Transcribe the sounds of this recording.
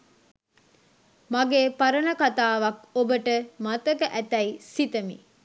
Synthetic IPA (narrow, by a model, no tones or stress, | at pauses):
maɡeːpaɾənɐkat̪aːʋɐkobəʈəmat̪əkəʔæt̪ɛisit̪əmḭ